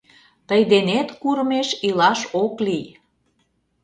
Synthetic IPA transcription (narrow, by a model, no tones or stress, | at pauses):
t̪əjd̪enet̪kuɾmeʃilɑʃoklij